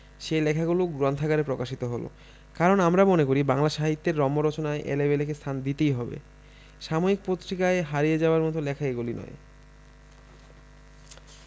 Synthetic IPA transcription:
ʃelɛkʰaɡuloɡɾɔnt̪ʰaɡaɾepɾokaʃit̪oɦolo̰ | kaɾonamɾamonekoɾibaŋlaʃaɦit̪ːeɾːɔmːoɾɔt͡ɕonaeʔḛlebelekest̪ʰand̪it̪ejɦɔbḛ | ʃamoik̚pot̪ːɾikaeɦaɾijed͡ʑaoaɾmɔt̪olɛkʰaeɡulinɔ̰e

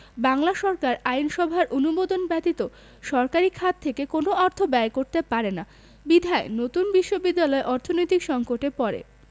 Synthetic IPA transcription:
baŋlaʃɔɾkaɾajnʃɔbʱaɾʔonubod̪onbɛt̪it̪o | ʃɔɾkaɾikʰat̪ʰːekekonoɔɾt̪ʰobɛekoɾt̪epaɾena | bid̪ʱaenot̪unbiʃːobid̪ːalɔeʔɔɾt̪ʰonojt̪ikʃɔŋkoʈepɔɾḛ

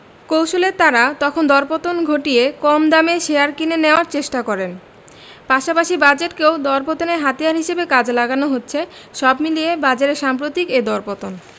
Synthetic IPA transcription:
kowʃolet̪aɾat̪ɔkʰond̪ɔɾpot̪onɡʱoʈijekɔmd̪ameʃeaɾkineneoaɾt͡ɕeʃʈakɔɾen | paʃapaʃibad͡ʑeʈkewd̪ɔɾpot̪oneɾɦat̪ijaɾɦiʃebekad͡ʑlaɡanoɦotːɕʰe | ʃɔbmiliebad͡ʑaɾeɾʃampɾot̪iked̪ɔɾpot̪on

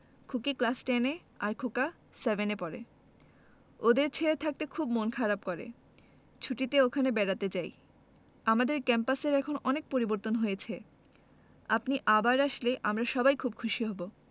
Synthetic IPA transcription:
kʰukiklasʈɛne | a̰ɾkʰoka | sevenepɔɾḛ | od̪eɾt͡ɕʰeɾet̪ʰak̚t̪ekʰubmonkʰaɾab̚koɾḛ | t͡ɕʰuʈit̪eokʰanebɛɽat̪ed͡ʑaj | amad̪eɾkɛmpaseɾɛkʰonɔnek̚poɾiboɾt̪onɦojet͡ɕʰe | apniʔabaɾaʃleʔamɾaʃɔbajkʰub̚kʰuʃiɦɔbo

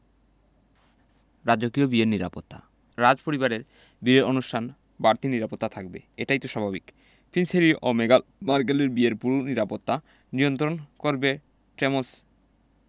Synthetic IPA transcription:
ɾad͡ʑokiobieɾniɾa̰pot̪ːa̰ | ɾad͡ʑpoɾibaɾeɾ | biɾeɾonuʃʈʰan | baɾt̪ʰiniɾapot̪ːat̪ʰak̚bḛeʈajt̪oʃabʱabik | pinseɾiʔomeɡalmaɾɡaleɾbieɾpuɾoniɾapot̪ːa | nijont̪ɾonkoɾbe | ʈemos

